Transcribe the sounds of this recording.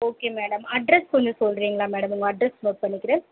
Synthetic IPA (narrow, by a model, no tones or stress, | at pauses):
oːkeːmeːɽɐmɐɖɾɛskɔnd͡ʒɯsɔlːɾiːŋɡɐɭaːmeːɽɐmʊŋɡɐɐɖɾɐsmoːʈ̚pɐɳːɪkːɪɾeː